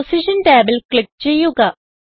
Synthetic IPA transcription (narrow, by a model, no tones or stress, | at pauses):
siʂɐnʈaːbɐlkɭik̚ːt͡ɕe̞jːuɣɐ